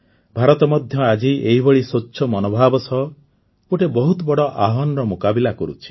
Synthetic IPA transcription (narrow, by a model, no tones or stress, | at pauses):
bʱaɾɔt̪ɔmɔd̪ʱjɔad͡ʒiʔeɦibɔɭisoːt͡ʃʃʰɔmɔnobʱabɔsɔɦɔ | oʈebɔɦut̪ɔbɔɽɔʔaɦɔnɔɾɔmukabilakɔɾṵt͡ʃʰi̥